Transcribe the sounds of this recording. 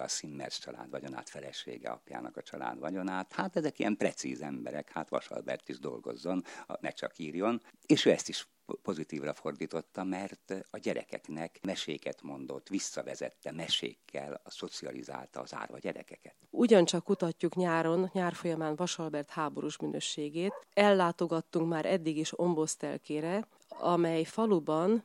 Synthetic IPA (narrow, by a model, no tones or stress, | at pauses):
ɒsimːɛrst͡ʃɒla̰ːd̪ʋɒɟonaːt̪fɛlɛʃḛːɡɛ̰ɒ̰pja̰ːnɒkɒt͡ʃɒla̰ːd̪ʋɒɟo̞naːt̪haːt̪ɛzɛkijɛmprɛt̪siːzɛmbɛɾɛkhaːt̪ʋɒʃɒ̰lbɛrt̪iʒd̪o̞lɡo̞̰zːo̞nnɛt͡ʃɒkiːrjo̞neːʃøːɛst̪iʃ | po̞zit̪iːvrɒfo̞rd̪iːt̪o̞t̪ːɒmɛrt̪ɒɟɛɾɛkɛ̰knɛkmɛʃeːkɛt̪mo̞nd̪o̞t̪ːʋisːɒvɛzɛ̰t̪ːɛmɛʃḛːkʰːɛlso̞t̪siɒlḭza̰ːlt̪ɒːza̰ːrvɒ̰ɟɛɾɛ̰kɛkɛt̪uɟɒnt͡ʃɒkːut̪ɒcːukɲaːɾo̞nɲaːrfo̞jɒmaːnvɒʃɒlbɛrt̪haːbo̞ɾuʃmynøːʃeːɡeːt̪ɛlːaːt̪o̞ɡɒt̪ːuŋkmaːɾʔɛd̪ːiɡiʃo̞mbo̞st̪ɛ̰lkeːɾɛ | ɒmɛjfɒlubɒn